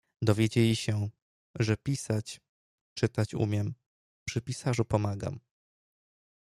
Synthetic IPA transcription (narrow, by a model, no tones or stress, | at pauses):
d̪ɔvʲjed͡ʑelʲiɕɛ | ʐɛpʲisat͡ɕ | t͡ʂɘt̪at͡ɕṵmʲjɛm | pʂɘpʲisaʐupɔmaɡa̰m